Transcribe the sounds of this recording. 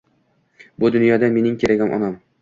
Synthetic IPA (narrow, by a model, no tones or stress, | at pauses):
bʊd̪ʊnjɒd̪ame̞nɪŋkʲʰeɾaɡʲamʔɒ̰nam